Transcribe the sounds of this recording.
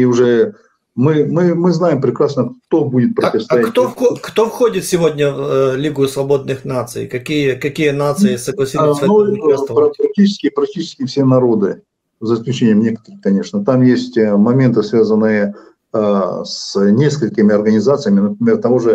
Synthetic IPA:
iʊʐɛ | mɨmɨmɨznajɪmpɾʲɪkɾasnəkt̪obudʲɪt̪̚pɾətʲɪvst̪ɐjat̪ookt̪ofxodʲɪt̪sʲɪvodʲnʲəvlʲiɡʊjʊsvɐbo̞d̪̚nɨxnat̪sɨ̰jkɐkʲijəkɐkʲijənat̪sɨɪsəɡlˠɐsʲisnupɾɐkpɾɐk̚tʲit͡ɕɪ̥skʲɪpɾɐk̚tʲit͡ɕɪskʲɪfsʲenɐɾo̞d̪ɨ | zəɪsklʲʉt͡ɕenʲɪjəmnʲekə̥t̪əɾɨxkɐnʲe̞ʂnət̪amjesʲtʲmɐmʲe̞nt̪ɨsvʲazənːɨjə | snʲe̞skəlʲkʲɪmʲɪɐrɡənʲɪzat̪sɨjəmʲɪnəpɾʲɪmʲe̞rt̪ɐvoʐɨ

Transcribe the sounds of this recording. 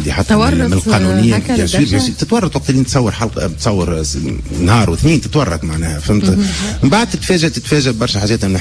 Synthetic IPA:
d̪iħɑt̪ːˤɑmɪɪlqɑːnunɪjːaaʃwiːɾæit̪ɪt̪wɑrˤːɑt̪ˤwɑq̚t̪ɪlːiːnt̪sˤɑwːəɾħalqbt̪sˤɑwːəɾnhɑːɾˤwɪθniːnt̪ɪ̥t̪wɑrˤːɑt̪maʕnɛːhæfæmt̪mmbaʕd̪̚t̪ɪt̪fɛːʒat̪ɪt̪fɛːʒabɑɾˤʃħaːʒɛːt̪ʔɪmnɪ

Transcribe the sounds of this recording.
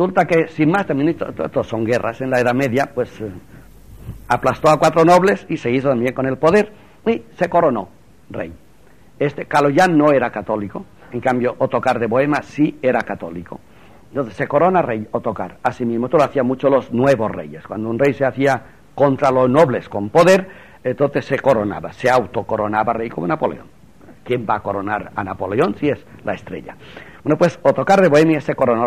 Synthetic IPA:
esult̪akesinmast̪ambjenit̪ot̪ot̪osoŋɡe̞ra̰se̞nlaeðame̞ðjapwe̞s | aplast̪oakwat̪ɾono̞β̞le̞sise̞iθot̪ambje̞ŋko̞ne̞lpo̞ðe̞ɾ | ise̞ko̞ɾono̞ | rḛj | est̪e̞kaloʝano̞e̞ɾakat̪o̞liko | eŋkambjoʔot̪o̞kaɾðe̞βoe̞masieɾakat̪o̞̰liko | ent̪onθesːe̞ko̞ɾo̞narejot̪o̞kaɾasimizmot̪oloaθiamut͡ʃolo̞znwe̞βo̞sre̞̰jeskwand̪ounrejseaθia | ko̞nt̪ɾalozno̞βle̞sko̞mpo̞ðe̞ɾ | ent̪onθe̞sːe̞ko̞ɾona̰βaseawt̪o̞koɾo̞naβarejkomonapo̞lḛo̰ŋ | kje̞mbaːko̞ɾo̞naɾanapo̞leo̞nsiezlaest̪ɾe̞̰ʎa̰bwenopwe̞sot̪o̞kaɾðeβoemjese̞ko̞ɾono

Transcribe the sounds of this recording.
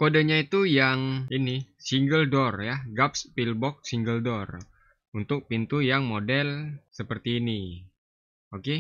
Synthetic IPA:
kodaɲait̪ujaŋinisiŋɡəldɔrjaɡap̚spilbɔk̚siŋɡəldɔr | unt̪ʊk̚pint̪ujaŋmodɛlsəpərt̪iːni | oke

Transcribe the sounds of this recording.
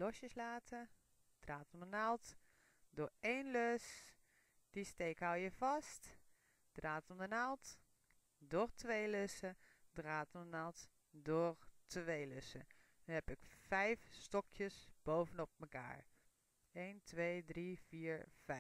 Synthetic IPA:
lɔsjəslaːtʰə | d̥raːtɔmdənalˠt | dʊːɹejnløs | d̥isteːkhawjəvɑst | d̥raːtɔndənalˠt | dʊrtʰʋeːløsədraːtɔndənalˠt | dʊrtʰʋejløsə̰ | hɛpɪkfɛjfstɔkʰjəsb̥owvənɔp̚məka̰ːɹ | eːntʰʋeːdriv̥iːɹv̥ɛ

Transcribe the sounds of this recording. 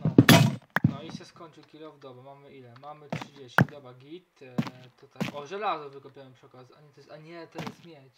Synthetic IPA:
nɔ | nɔiɕɛskɔɲt͡ʂɨwkʲiɾɔvd̪ɔbɔmamɘʔilɛmamɘtʂɨd͡ʑeɕt͡ɕid̪ɔbaɡʲit̪t̪ɔt̪akɔʒɛlazɔvɘkɔpʲjawɛmpʂɛkazaɲɛt̪ɔjɛaɲɛt̪ɔjɛst̪mʲjɛt͡ɕ

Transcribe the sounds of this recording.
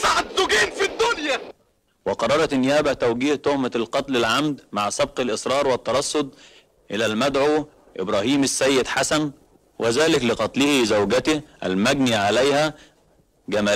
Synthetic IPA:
saʕt̪zʊɡiːnfid̪ːʊnjæ | wɪqɑrˤːɑɾˤɑt̪nːɪjæːbæt̪æwɡiːht̪ohmalqɑt̪lɪlʕamd̪maʕsɑb̚qɪlʔɪsˤɾˤɑːɾˤwɪt̪ːɑɾˤɑsˤːod̪̚ˤ | ʔɪlælmæd̪ʕuː | ʔɪ̰bɾæːhiːmɪsːæjːɪd̪ħasæn | wʔɪzæːlɪklɪqɑt̪ˤlɪhizæwɡæt̪ɪʔæ̰lmæɡniːʕalæjhæ | ɡæmæː

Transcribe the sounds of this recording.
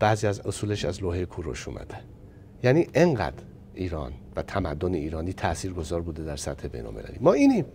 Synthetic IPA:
b̥æːziːæzosuːleʃæzloːɦejekʰuːɾoʃuːmæ̰d̪æ | jæniːʔeŋɢæ̰d̪ɾ | ʔiːɾɒ̰ːnvæt̪ʰæmæd̪ːoneiːɾɒːniːt̪ʰæʔsiːɾɡo̞zɒːɾbuːd̪ed̪æɾsæt̪he̞be̞̰jno̰lmelæ̰liːmɒːiːniːm

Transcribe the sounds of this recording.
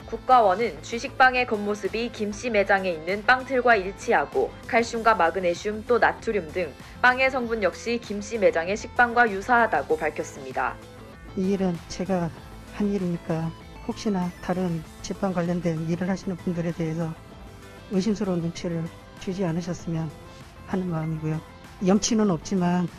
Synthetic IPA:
kuk̚k͈awʌnɯnt͡ɕɥiɕʰik̚p͈aŋe̞kʌmːosʰɯbikimɕ͈ime̞d͡ʑaŋe̞inːɯnp͈aŋtʰɯɭɡwaiɭt͡ɕʰiɦaɡo | kʰaɭɕ͈uŋɡwamaɡɯne̞ɕʰumt͈onatʰuɾjumdɯŋ | p͈aŋe̞sʰʌŋbunjʌk̚ɕ͈ikimɕ͈ime̞d͡ʑaŋe̞ɕʰik̚p͈aŋɡwajusʰaɦadaɡopaɭkʰjʌs͈ɯmɲida̰ | iːɾɯnt͡ɕe̞ɡa | haniɾimɲik͈a | hok̚ɕ͈inataɾɯnt͡ɕip͈aŋkwaʎːʌndwe̞niɾɯɭɦhaɕʰinɯnpundɯɾe̞de̞ɦes̬ʰʌ | ɯɕ̬ʰimsʰɯɾonomt͡ɕʰiɾɯɭ | t͡ɕid͡ʑianɯɕ̬ʰʌs͈ɯmjʌn | hanɯnmaɯmiɡojo | jʌmt͡ɕʰinɯnʌp̚t͡ɕ͈iman

